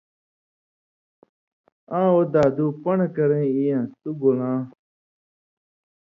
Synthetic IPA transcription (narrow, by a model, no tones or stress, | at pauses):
ãːod̪aːd̪uːpəɳkəɾẽːijãːt̪uɡolãː